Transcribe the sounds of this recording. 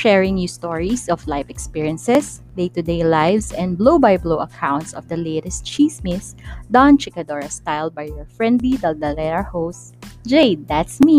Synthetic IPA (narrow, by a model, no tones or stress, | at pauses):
ʃɛɹɪ̃ŋnjust̪ɔɹisɔflajfɛkspiɹiɐ̃nsɛs | d̪ejt̪ʊd̪ejlajvsɛ̃n̚blowbajbloʊɐkʰãw̃nt̪sɔvd̪ɐleɪt̪ɛst̪̚t͡ʃismɪsd̪ãnt͡ʃɪkɐd̪ɔɹɐst̪ajlˠd̪̚bajjɔɹfɹɛ̃nd̪lid̪ɐld̪ɐlɛɾahows | d͡ʒejd̪at̪smi